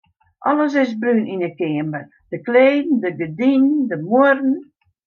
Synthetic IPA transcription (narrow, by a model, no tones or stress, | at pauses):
ʔɔləs̬ɪs̬brynʔinəkɪəmbə | d̥əkleːdn̩dəɡədindəmuərn̩